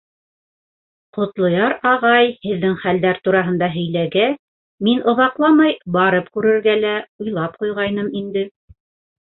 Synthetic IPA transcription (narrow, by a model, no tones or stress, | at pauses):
qŏt̪lˠŏjɑɾɑʁɑjhɘ̆ðːɘŋχæld̪æɾt̪uɾɑɦɤ̆nd̪ɑɦɵ̆jlæɡæ | minʔŏðɑqlˠɑmɑjbɑɾɤp̚kʉɾɘ̆ɾɡælæojlˠɑp̚qujʁɑjnɤmind̪ɘ